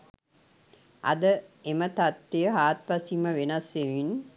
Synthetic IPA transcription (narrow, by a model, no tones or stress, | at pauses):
ʔɐ̰d̪əemət̪ɐt̪ːejəɦaːt̪̚ʋɐsiməʋenɐsʋeʋin